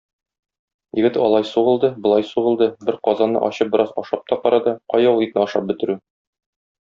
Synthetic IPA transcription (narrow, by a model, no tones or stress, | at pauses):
jɘ̆ɡɘt̪ɒlˠɑjsuʁɤ̆lˠd̪ɤbŏlˠɑjsuʁɤ̆lˠd̪ɤbɘɾqɒzɑnːɤ̰ʔɒ̰ɕɤp̚bɘ̆ɾɑzɒʃɑp̚t̪ɒqɒɾɑd̪ɑqɒjɒwˠit̪nɘɒʃɑp̚bɵ̆t̪ɘ̆ɾʉ